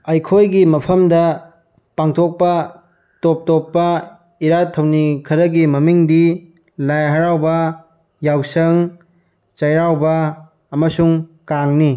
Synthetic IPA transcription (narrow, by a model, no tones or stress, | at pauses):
ɐjkʰojɡimɐpʰɐmdɐ | paŋtʰok̚pɐ | top̚top̚ːɐ | iɾatʰɐwnikʰɐɾɐɡimɐmiŋdi | lajɦɐɾawbɐ | jawsɐŋ | t͡ʃɐjɾawbɐ | ɐmɐsuŋkaŋni